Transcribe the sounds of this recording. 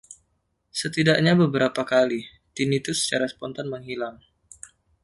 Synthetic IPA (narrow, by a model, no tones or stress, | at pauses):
sət̪idaʔɲabəbəɾapakali | t̪init̪usə̥t͡ʃaɾasə̥pɔnt̪anməŋɦilaŋ